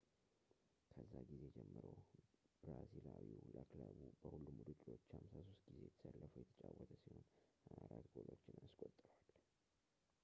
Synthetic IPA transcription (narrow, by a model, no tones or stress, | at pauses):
kʰəzːaɡize̞jd͡ʒɛmːəɾəwbɾazilawiuləklaβubəhulːumud̪ukʼlo̞t͡ʃːhamsaso̞st̪ɡize̞jɛt̪ʰə̥səlːəfujɛt̪ʰə̥t͡ʃʼawət̪ʰəsiho̞najɾat̪ɡolot͡ʃːɪnanskʼot̪ʼːɾwal